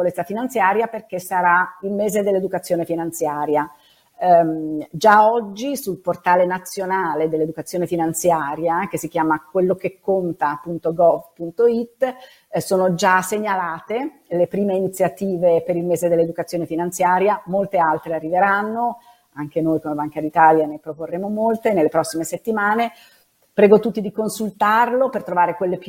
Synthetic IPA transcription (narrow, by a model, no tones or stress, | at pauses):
olet̪sːafinant̪sjaːɾjaperk̟esaɾailmeːzed̪elːed̪ukat̪sːjoːnefinant̪sjaːɾja | d͡ʒaɔd͡ʒːisulport̪aːlenat̪sːjonaːled̪elːed̪ukat̪sːjoːnefinant̪sjaːɾjak̟esːik̟jaːmakwelːok̟ekːont̪aːpunt̪oɡɔvpunt̪oit̪ː | soːnod͡ʒaseɲːalaːt̪e | lepɾiːmeinit̪sjat̪iːvepeɾilmeːzed̪elːed̪ukat̪sːjoːnefinant̪sjaːɾjamolt̪ealt̪ɾearːiveɾanːo | aŋk̟enojkomebaŋkad̪it̪aːljanepɾoporːeːmomolt̪enelːepɾɔsːimeset̪ːimaːne | pɾɛːɡot̪ut̪ːid̪ikonsult̪arlopert̪ɾovaːɾekwelːep